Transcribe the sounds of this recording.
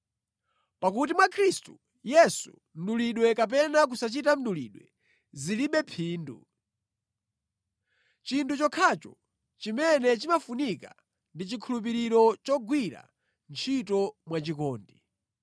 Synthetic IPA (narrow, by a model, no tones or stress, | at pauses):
pak̬ut̬imwakʰɾistu | jɛsṵ | m̩ɗuliɗwɛkap̬ɛnak̬usat͡ʃitam̩ɗulḭːɗwɛ̰ | ziliɓɛpʰiːndṵ | t͡ʃintʰut͡ʃɔkʰat͡ʃɔ̰ | t͡ʃimɛnɛt͡ʃimafunika | ndit͡ʃikʰulup̬iɾiɾɔt͡ʃɔɡwiɾa̰ | nt͡ʃʰitɔmwat͡ʃikɔːndi